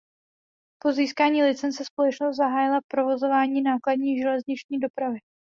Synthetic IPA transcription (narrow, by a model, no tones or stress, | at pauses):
po̞ziːskaːɲiːlɪt͡sɛnt͡sɛspolɛt͡ʃnost̪zaɦaːjɪlapɾo̞vo̞zo̞vaːɲiːnaːkladɲiːʒɛlɛzɲɪt͡ʃɲiːdo̞pɾavɪ